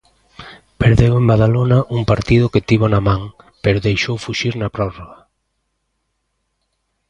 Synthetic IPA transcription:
peɾðewẽmbaðalonɐʔuŋpaɾt̪iðʊket̪iβonamãŋ | peɾoðejʃowfuʃiɾnɐpɾɔroɣɐ

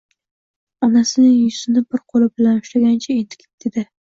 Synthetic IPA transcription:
ɒnasɪnɪŋjʊsɪnɪbɪɾqʰolˠɪbɪlanʊʃlaɡʲant͡ʃʰaend̪ɪ̥kʲʰɪd̪̥ed̪ɪ

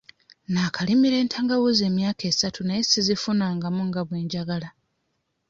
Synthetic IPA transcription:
naːkʰalimiɾe̞ːntʰaːŋɡawoze̞ːmjaːke̞ːsatʰunajesizifunaːŋɡamuŋɡaβwe̞ːɲɟaɡala

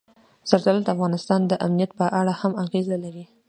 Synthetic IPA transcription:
z̥aɾzalald̪əafɣɑnɪst̪ɑnd̪əʔamnijat̪̚pəʔaɽahamaɣezalaɾi

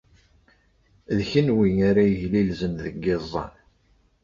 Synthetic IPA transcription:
ðçənwiŋaɾajəʝlilzənðəɡːɪzˤːɑ̰n

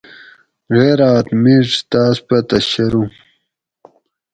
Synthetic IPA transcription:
ɣeːɾaːt̪miʈ͡ʂt̪aːspɐt̪ɐɕɐɾũ

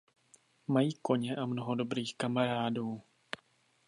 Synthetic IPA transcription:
majiːko̞ɲɛʔamnoɦodo̞bɾiːxkamaɾaːduː

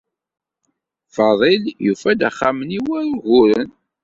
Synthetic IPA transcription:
fɑðˤiljufæd̪æχːaməniwæɾʊɣʊɾən

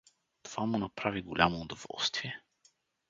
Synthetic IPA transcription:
t̪ov̥amʊnapɾaviɡolʲamoːd̪ovɔ̰lˠst̪viɛ

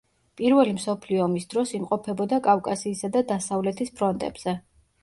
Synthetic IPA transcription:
pʼiɾvɛlimsɔpʰliɔmisd̪̥ɾɔsimqʼɔpʰɛbɔd̪akʼafkʼasiːsad̪ad̪asavlɛt̪ʰispʰɾɔnt̪ʼɛ̰bz̥ɛ

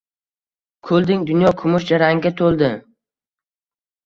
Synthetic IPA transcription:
kʰɵlˠd̪ɪŋd̪ʊnjɒkʰʊmʊʃd͡ʒaɾaŋɡʲat̪ʰolˠd̪ɪ

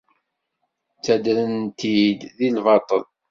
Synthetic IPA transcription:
t͡sːæd̪ɾənt̪id̪ðilvɑt̪ˤə̰l

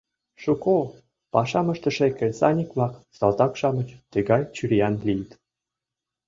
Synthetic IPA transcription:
ʃuko | pɑʃɑmə̆ʃt̪ə̆ʃekĕsɑnʲikmɑksɑlt̪ɑkʃɑmə̆t͡ɕt̪ə̆ɡɑjt͡ɕyɾʲijɑnlijt̪

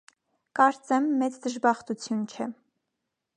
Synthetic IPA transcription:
kɑɾt͡sɛmːɛt͡sd̪əʒbɑχt̪ut͡sʰjunt͡ʃʰɛ

